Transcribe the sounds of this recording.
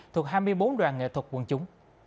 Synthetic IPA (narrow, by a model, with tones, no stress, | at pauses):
t̪ʰu˨˩ək̚haː˧jmɨ˧əjɓo˨˦nɗwaː˨˩nŋḛ˧˨t̪ʰwə˨˩t̚kwə˨˧˩nt͡ɕʊ˨˦ŋ͡m